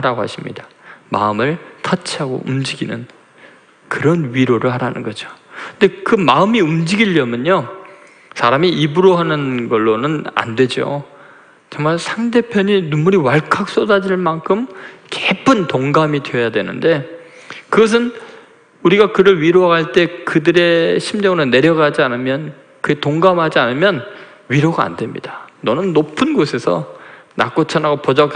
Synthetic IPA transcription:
aɾaɡoha̰ɕʰimɲḭd̥ama̰ɯmɯɭtʰʌt͡ɕʰiaɡo̰ʔumd͡ʑiɡinɯ̰n | kɯɾʌnɥiɾoɾɯɭɦaɾanɯnɡʌd͡ʑoɯnde̞kɯmaɯmiumd͡ʑiɡiʎːʌmjʌɲo | sʰaɾamiʔibuɾoɦanɯnɡʌɭːonɯna̰ndwe̞d͡ʑo̰ | t͡ɕʌŋmaɭsʰaŋde̞pʰjʌɲinumuɾiwaɭkʰak̚s͈odad͡ʑiɭmaŋkʰɯmkepʰɯntoŋɡamidweʌjadwe̞nɯnde̞ | kɯɡʌs̬ʰɯn | uɾiɡakɯɾɯɭɥiɾoɦaɡaɭt͈e̞kɯdɯɾe̞ɕʰimd͡ʑʌŋɯɾone̞ɾjʌɡad͡ʑianɯmjʌn | kɯe̞toŋɡamɦad͡ʑianɯmjʌn | ɥiɾoɡaa̰ndwe̞mɲḭd̥anʌnɯnːopʰɯnɡosʰe̞sʰʌ̰na̰k͈ot͡ɕʰanaɡopod͡ʑʌk

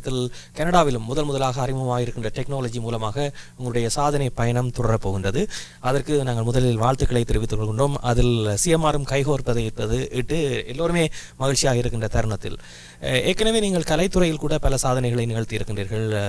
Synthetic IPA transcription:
t̪ːɪlkɐnɐɽaːʋɪlɯmːʊðɐlmʊðɐlaːɣɐːrɪmɐɐmaːɣɪɾɯkːɪndrɐʈɛknoːlɐd͡ʒimuːlɐmaːɣɐʊŋɡɐɭʊɽɐjɐsaːðɐnɐɪpɐjɐɳɐmt̪ʊɽɐɾɐpːoːɣɪndrɐðɯ | ɐðɐrkɯnaːŋɡɐɭmʊðɐlɪlʋaːɭt̪ɯkːɐɭɐɪt̪ːɪɾɪʋɪt̪ːɯkːɔɭkɯɳɖoːmɐðɪlsɪjɐmaːɾɯmkɐɪɣoːɾpːɐðɐɪpːɐðɯʔɪʈːɯɛlːoːɾɯmeːmɐɣɪɻt͡ʃːɪjaːɣɐɪɾɯkːɪndrɐt̪ɐɾɯɳɐt̪ːɪ̰l | eːkːɐnɐʋeːniːŋɡɐɭkɐlɐɪt̪ːɯrɐjɪlkuːɽɐpɐlɐsaːðɐnɐɪɣɐɭɐɪnɪɣɐɭt̪ijɪɾɯkːɪndriːɾɣɐɭ

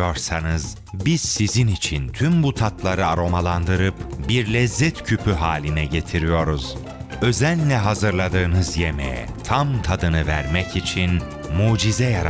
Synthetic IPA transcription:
oɾsanɯz̥ | biz̥sizinit͡ʃʰint̪ʰymbut̪ʰat̪lˠaɾɯaɾo̞malˠand̪ɯɾɯpbiɾlʲɛzːɛt̪cʰypʰyɦaːlʲinɛɟe̞t̪ʰiɾijo̞ɾuz̥ | ø̞zælʲːɛɦazɯɾlˠad̪ɯːnɯzjemḛjɛ̰ | t̪ʰamt̪ʰad̪ɯnɯvæɾmɛcit͡ʃʰin | muːd͡ʒizɛjaɾ

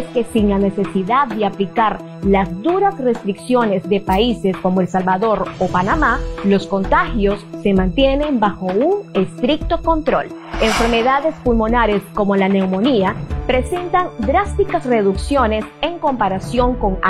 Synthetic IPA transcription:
ske̞siŋlane̞se̞siðaðːeaplikaɾ | lazd̪uɾasre̞st̪ɾiksjo̞ne̞zðe̞paise̞sko̞moelsalβaðo̞ɾopanamalo̞sko̞nt̪axjo̞sːe̞mãnt̪je̞ne̞mbaxo̞uŋest̪ɾik̚t̪o̞ko̞nt̪ɾo̞̰l | e̞ɱfe̞ɾme̞ðaðe̞spulmo̞naɾe̞sko̞mo̞lane̞wmo̞niapɾe̞se̞nt̪aŋd̪ɾast̪ikasre̞ðuksjo̞ne̞se̞ŋko̞mpaɾasjo̞ŋko̞ŋ

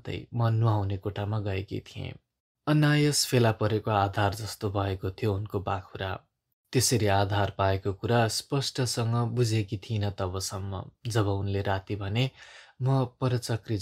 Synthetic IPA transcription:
t̪ʌ̰jmʌnuawnekoʈʰamaɡʌekḭt̪ʰiḛ̃ | ʌnajʌspʰelapʌɾekoad̪ʱard͡zʌst̪obʱʌekot̪ʰijounkobakʰuɾa̰ | t̪eseɾiad̪ʱarpaekokuɾaspʌsʈʌsʌŋɡʌbud͡zʱekit̪ʰinʌt̪ʌbʌsʌmːʌ̰d͡zʌβʌunleɾat̪ibʱʌnemʌpʌɾʌt͡sʌkri

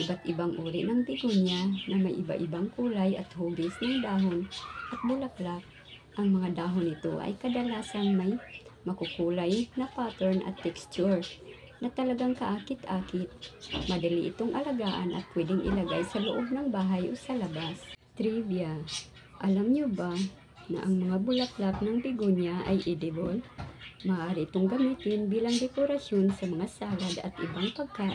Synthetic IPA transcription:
ʔɪbat̪ʔɪbaŋʔuːɾɪʔnɐŋp̪ɪɡuɲjanɐmajʔɪba̰ʔɪbaŋkuːlajʔɐ̰t̪huːɡɪsnɐŋd̪aːɦonʔɐt̪̚bʊlaplak̚ | ʔɐŋmɐŋad̪aːɦonɪt̪o̰ʔa̰jkɐd̪ɐlaːsanmajmɐkʊkuːlajnɐpaːt̪ɛɹnʔɐ̰t̪ːɛkstt͡ʃʊɹ | nɐt̪ɐlɐɡaŋkɐʔaːkɪt̪ʔaːkɪt̪̚mɐd̪ɐliʔɪt̪oŋʔɐlɐɡaːʔanʔɐ̰t̪̚pwɛd̪ɪŋʔɪ̰lɐɡajsɐlʊʔoɡ̚nɐŋbaːɦajʔosɐlɐbast̪ɾivja | ʔɐlamɲʊba | nɐ̰ʔɐŋmɐŋabʊlaplap̚noŋpɪɡoɲjaʔɐ̰jʔɪd̪ɪbolmaʔaːɾɪʔɪt̪oŋɡɐmiːt̪ɪnbiːlɐŋd̪ɛkoɾɐsjonsɐmɐŋasaːlad̪ɐ̰t̪ʔɪbaŋpɐɡ̚kaːʔ

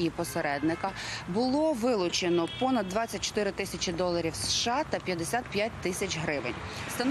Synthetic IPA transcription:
jipɔseɾɛd̪nɪkɐbʊlˠɔʋɪlˠʊt͡ʃenɔpɔnɐd̪ːʋɑt͡sʲːɐt̚ʲt͡ʃɔ̥t̪ɪɾɪt̪ɪsʲɐt͡ʃʲɪd̪ɔlˠɐɾʲiwsʃɑt̪ɐpʲjɐd̪esʲat̪̚pʲjat̚ʲt̪ɪsʲɐt͡ʃɦɾɪʋḛnʲ | st̪ɐn

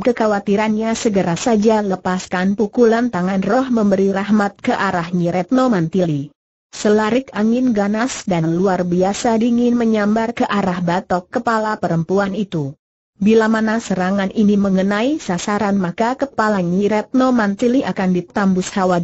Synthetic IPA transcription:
kəkawat̪iɾanɲasəɡəɾasad͡ʒaləpaskanpukulant̪aŋanrɔhməmbəɾiɾahmat̪̚kəʔaɾahɲiɾʔɛt̪̚nomant̪ili | səlaɾɪkaŋɪnɡanasdanluarbiasadiŋɪnməɲambarkəʔaɾahbat̪ɔkːəpalapəɾəmpuanit̪u | bilamanasəɾaŋaniniməŋənaisasaɾanmakakəpalaɲiɾɛt̪̚nomant̪iliʔakandit̪ambʊshawa

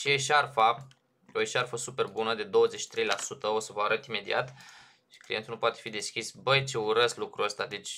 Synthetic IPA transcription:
ʃieʃarfa | oeʃarfəsupe̞rbunəd̪e̞d̪o̞wəzet͡ʃʃi̥t̪ɾe̞jlasut̪əo̞səvaɾət̪ime̞d̪iat̪ | ʃi̥klint̪ulnupoat̪e̞fid̪e̞skʲisbəjt͡ʃe̞uɾəslukɾuəst̪ad̪et͡ʃʲ

